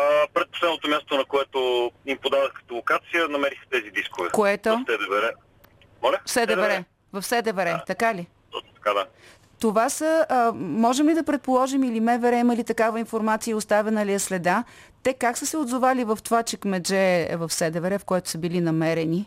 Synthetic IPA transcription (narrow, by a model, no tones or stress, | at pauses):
əpɾɛt̪̚poslɛd̪not̪omjast̪onɐkoɛt̪oimpod̪aðəxkə̥t̪olˠokat̪sijənɐmɛɾixt̪ɛzid̪iskovɛkoɛt̪osɛd̪ɛvɛɾɛ | mɔlʲəfsɛd̪ɛvɛɾɛ | vɐfsɛd̪ɛvɛɾɛt̪ɐkaliɔt̪ɐ̥kad̪a | t̪ovasəmɔʒɛmlid̪ɐpɾɛt̪̚polˠɔʒimilimɛvɛɾɛiməlit̪ɐkavəinfoɾmat̪sijəʊst̪avɛnəliɐslɛd̪a | t̪ɛkaksəsɛod̪zovalivɐft̪ovat͡ʃɛkmɛd͡ʒɛvɐfsɛd̪ɛvɛɾɛfkoɛt̪o̥səbilinɐmɛɾɛni